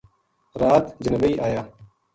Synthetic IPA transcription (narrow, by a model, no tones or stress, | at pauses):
ɾaːt̪d͡ʒənbəiːʔaːjaː